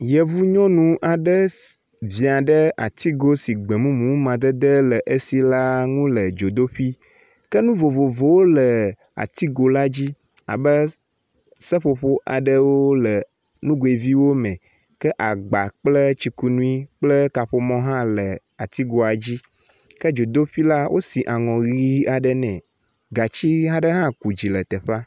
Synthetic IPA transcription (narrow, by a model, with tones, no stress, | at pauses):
jə˨vu˦ɲɔ̃˦nũ˦ʔa˨ɖə˦ | vĩ˨a˨ɖə˦a˨t̪i˦ɡo˦si˨ɡ͡bə˨mũ˦mũ˨˦mã˨d̪ə˦d̪ə˦lə˨ʔə˦si˨la˦ŋũ˦lə˨d͡ʒo˨d̪o˦ɸi˦ | kə˦nũ˦vo˨vo˨vo˨wo˦lə˨ | a̰˨t̪i˦ɡo˨la˦d͡ʑi˦ | a̰˨bə˦ | sə˦ɸo˨ɸo˦ʔa˨ɖə˦wo˦lə˨ | nũ˦ɡo˨e˨vi˦wo˦mɛ̃˨ | kə˦ʔa˨ɡ͡ba˨k͡plə˦t͡ɕi˨˦ku˦nũ˦i˦k͡plə˦ka˨ɸo˨mɔ̃˦ɦã˦lə˨ | a˨t̪i˦ɡo˨a˨d͡ʑi˦ | kə˦d͡ʒo˨d̪o˦ɸi˦la˦wʔo˦si˨ʔa˨ŋɔ̃˨ɣi˦a˨ɖə˨nɛ̃˨ | ɡa˨t͡ɕi˦ɦã˦ɖə˦ɦã˦ku˨d͡ʑi˨lə˨t̪ɛ˨ɸa˦